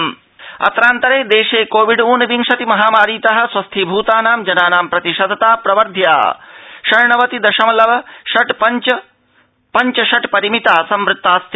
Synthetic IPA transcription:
m | ɐ̰t̪ɾaːnt̪ɐɾeːd̪eːʃeːkoːʋiɖuːnɐbiŋʃɐt̪imɐɦaːmaːɾiːt̪ɐɦɐ̆swɐst̪ʰibʱuːt̪aːnaːmd͡ʒɐnaːnaːmpɾɐt̪iʃɐd̪ʱɐt̪aːpɾɐʋɐɾd̪ʱja̰ːʃɐɾɳɐʋɐt̪id̪ɐʃɐmɐlɐʋɐʃɐʈpɐt͡ʃɐ | pɐɲt͡ʃɐʃɐʈpɐɾimit̪aːsɐmʋɾɨt̪ːaːst̪ʰi

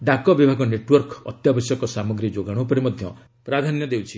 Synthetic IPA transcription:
ɖakɔbibʱaɡɔneʈwɔɾkɔ̰t̪jabɔsjɔkɔsamɔɡɾid͡ʒoɡaɽ̃opɔɾimɔd̪ʱjɔ | pɾad̪ʱanjɔd̪ewt͡ʃʰi

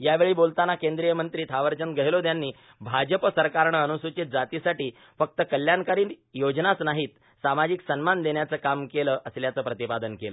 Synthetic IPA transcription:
jaʋeɭiːbolt̪anakend̪ɾijəmənt̪ɾiːt̪ʰaʋəɾt͡ɕənɡəɦjlod̪janːiː | bʱad͡ʑəpəsəɾkaɾɳəənusut͡ɕed͡zat̪isaʈiː | fək̚t̪əkəljankaɾiːnjod͡ʑnat͡snaɦiːt̪ | samad͡ʑiksənmand̪eɳjat͡səkamkeləʔəsljat͡səːpɾət̪ipad̪ənkelə

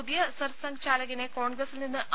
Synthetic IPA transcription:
ud̪jɐsɐɾsɐŋɡt͡ɕaːlɐɣineko̞ːɳɡɾɐsilninːɨʔ

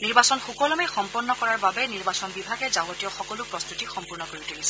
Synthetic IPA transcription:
niɹbasɔnxukɔlɔmɛxɔmpɔɹnːɔkɔɹaɹbabɛniɹbasɔnbibʱaɡɛzaɡɔtijɔxɔkɔlʊpɹɔst̪utixɔmpuɹnɔkoɹitulisɛ

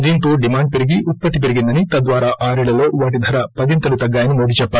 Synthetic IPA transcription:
d̪iːnt̪o̞ːɖimaːɳɖ̚peɾiɡiʔupːɐt̪ip̬eɾiɡind̪ɐnit̪ɐd̪ʋaːɾaːʔaːɾiɭɐlo̞ːʋaːʈ̬id̪ʱɐɾɐpɐd̪int̪ɐlut̪ɐɡːaːjɐnimoːd̪ʱit͡ʃɛpːaː

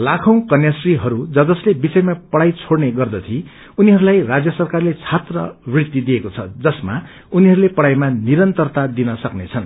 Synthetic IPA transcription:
lakʰʌ̃w̃kʌnjʌsriɦʌɾud͡zʌd͡zʌslebisʌjmapʌɽajt͡sʰoɽneɡʌrd̪ʌt̪ʰi | uniɦʌɾulajrad͡zjʌsʌrkarlet͡sʰat̪rʌ̰brit̪id̪iekot͡sʰʌd͡zʌsma | uniɦʌɾulepʌɽajmaniɾʌnt̪ʌrt̪ad̪inʌsʌknet͡sʰʌn

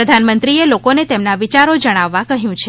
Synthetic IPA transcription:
əd̪ʱanmənt̪ɾielokonet̪emnaʋit͡ʃaɾod͡ʒəɽ̃aʋːakəɦjũt͡ʃʰe

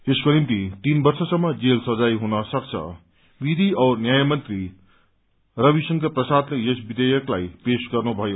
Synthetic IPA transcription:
eskonimt̪it̪inbʌrsʌsʌmːʌd͡zelsʌd͡zajɦunʌsʌk̚t͡sʰʌ̰ | bid̪ʱiʌwnjajamʌnt̪ri | rʌbisʌŋkʌprʌsad̪lejesbid̪ʌjʌklajpesɡʌrnubʱʌjo

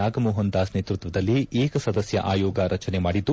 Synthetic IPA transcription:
aːɡɐmɔːɦɐnd̪aːsneːt̪ɾut̪ʋɐd̪ɐlːieːkɐsɐd̪ɐsjɐ̰ʔaːjɔːɡɐɾʔɐt͡ʃɐnemaːɽid̪ːu

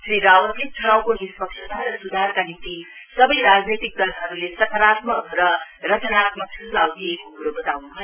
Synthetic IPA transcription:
sriɾawʌt̪ʰik̚tʰɾawkonispʌkt͡ʃʰʌt̪aɾʌsud̪ʱarkanint̪i | sʌbʌjɾad͡znet̪ik̚d̪ʌlɦʌɾulesʌt̪ʰəɾat̪mʌkrʌrʌt̪ʰʌɾat̪mʌksudawt̪ʰekkokuɾobʌt̪awnubʰʱʌ

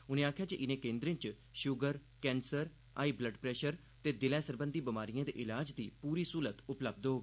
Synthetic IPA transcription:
ʊnẽːaːkʰjaːt͡ʃiʔɪnẽːkẽːnd̪ɾẽːt͡ʃ | ʃʊɡəɾ | kɛ̃ːnsəɾ | a̰ːiːbləɖpɾɛːʃəɾ | t̪eːd̪ɪlɛːsəɾbə̃nd̪iːbəmaːɾijãːd̪ḛːʔɪlaːd͡ʒd̪iːpuːɾiːsuːlət̪ʊpləb̚d̪ɦoːɡiː

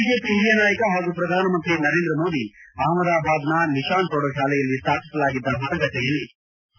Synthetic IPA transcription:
id͡ʒeːpiɾijɐnaːjɐkɐɦaːɡupɾɐd̪ʱaːnɐmɐnt̪ɾinɐɾeːnd̪ɾɐmoːd̪iaːmɐd̪aːbʱaːd̪nɐniʃaːnpɔɽoʃaːlɛjɐlːist̪ʰaːpʰi̥sɐlaːɡid̪ːɐɦut̪ɐŋɡɐt̪ejɐlːi

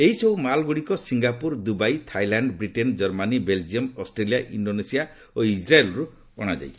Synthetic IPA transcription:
eɦisɔwmalɡuɽikɔsiŋɡapuɾd̪ubajt̪ʰajlaɳɖbɾiʈend͡ʒɔɾmanibeld͡ʒiɔmɔsʈɾelijaʔiɳɖonesija | oisɾaelɔɾu | ɔ̰ɽ̃ad͡ʒa̰jtʰi̥

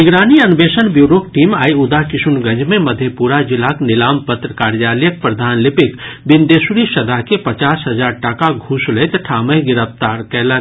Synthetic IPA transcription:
nɪɡɾaːniɐnbeːʃənbjuːɾoːk̚ʈiːmaːiʊd̪akɪsʊnɡɐ̃ɲd͡ʒmẽmɐd̪ʱjepuːɾad͡ʒɪlaːknɪlaːmpət̪ɾəkaːɾjaːljək̚pɾɐd̪ʱaːnlɪpɪkbɪnd̪eːsuɾiʃɐd̪aɦkepɐt͡ʃaːsɦɐzaːɾʈakaɡʱʊsleːt̪ʈʰaːməɦɡɪɾəft̪aːɾkɛːla

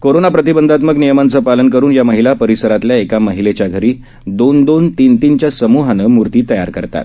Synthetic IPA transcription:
koɾonapɾət̪ibənd̪ʱat̪məknijəmant͡səpalənkəɾuːnjaməɦilapəɾisəɾat̪ljaekaməɦilet͡ɕjaɡʱəɾiː | d̪ond̪ont̪int̪int͡ɕjasəmuɦanəmuɾt̪iːt̪əjaɾkəɾt̪a̰t̪

